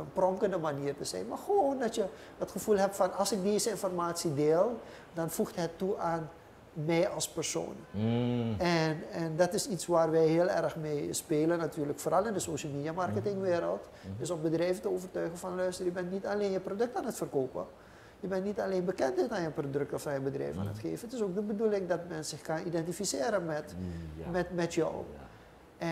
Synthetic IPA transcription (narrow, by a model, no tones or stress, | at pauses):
ənprɔŋkəndəmaniːərtəz̥ɛ̰jnmarxəʋoːndɔtjə | ətxəfulˠɦɛpfɔnɑlˠsɪk̚deːzəɪnfɔrmaːtsideːlˠ | dɑnfuxtɦɛtːuʔaːn | mɛjɑlˠspɛrso̰ːn | ɛnɛndɑtɪsisʋaːrʋɛjɦɪəlˠɛ̰rxmeːspeːlənːatyːrləkfoːrɑlˠɪndəsoːʃəl̩ˠmeːdiamarkətɪŋʋeːɾəlˠt | dɵsɔmbədrɛjvətəoːvərtœɥɣənfɑnlœɥstərjəbɛntnitaleːnjəprodɵk̚taːnətfərkoːpə̰ | jəbɛntnitaleːnbəkɛntɪtaːnjəprodɵk̚tɔfanjəbədrɛ̰jfa̰ːnə̰txḛːvənətɪsoːk̚dəbədulɪŋdɑtmɛnsɪxkɑnidɛntifisɪːɾənmɛtmɛmɛtjɔ̰w